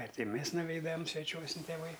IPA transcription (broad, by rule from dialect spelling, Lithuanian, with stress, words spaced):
ˈɐr ˈtʲɪ ˈmʲɛs nʊˈʋʲɛɪdɐm sʲʋʲɛˈt͡ʃʲuɔsʲɪn tʲeːˈʋɐɪ